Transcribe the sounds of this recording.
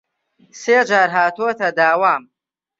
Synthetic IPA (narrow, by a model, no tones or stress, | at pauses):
seːd͡ʒaːɾɦaːt̪uɐt̪ɐd̪aːwaːm